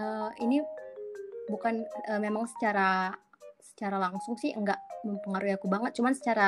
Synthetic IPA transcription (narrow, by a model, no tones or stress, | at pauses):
əːini | bukanəmemaŋsə̥t͡ʃaɾa | sə̥t͡ʃaɾalaŋsʊŋsɪhəŋɡaʔməmpəŋaɾuiakubaŋət̪̚t͡ʃumansə̥t͡ʃaɾa